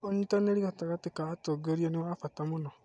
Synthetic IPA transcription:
oɲitaneɾiɣataɣatikatoɡeɾianewafatamuno

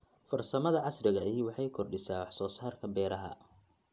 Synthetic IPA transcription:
fɐrsɐmɐðɐʕɑsrɪɣɐɪwɑħɑjkʰɔrɖɪsaːwɑħsɔːsaːrkʰɐbɛːɾɐɦɐ̰

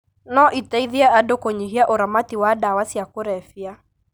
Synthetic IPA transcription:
nɔʔitaiðiaadokɔɲiɦiaʔoɾamatiwadawasiakoɾɛfia

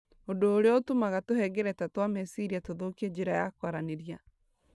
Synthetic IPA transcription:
odoːɾeotomaɣatohɛɡɛɾɛtatwamɛsiɾiatoðokiɛɲd͡ʒeɾajakwaɾaneɾja

